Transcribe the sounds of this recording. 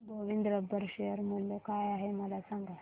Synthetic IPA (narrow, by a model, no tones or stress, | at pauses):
bʱəʋind̪ɾəbəɾʂejəɾmulokajaɦeməlasaŋɡa